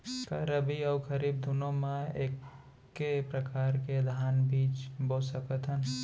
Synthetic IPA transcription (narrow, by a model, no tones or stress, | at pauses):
kaɾəbʱiaʊkʰəɾibd̪ʊnõmẽeːkː | epɾəkaːɾked̪ʱaːnbiːt͡ʃbosəkət̪ɦən